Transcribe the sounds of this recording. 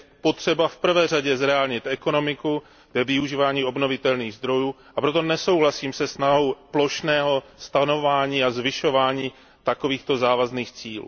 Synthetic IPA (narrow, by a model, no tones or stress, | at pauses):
po̞t̪r̝̥ɛbafpr̩vɛːr̝aɟɛzɾɛaːlɲɪt̪ɛko̞no̞mɪku | vɛvɪuʒiːvaːɲiːo̞bno̞vɪt̪ɛlniːɣzd̪ɾo̞juː | ʔapɾo̞t̪̬o̞nɛso̞wɦlasiːmsɛsnaɦo̞wplo̞ʃnɛːɦo̞st̪ano̞vaːɲiːazvɪʃo̞vaːɲiː | t̪ako̞viːxt̪o̞zaːvazniːxt͡siːlṵ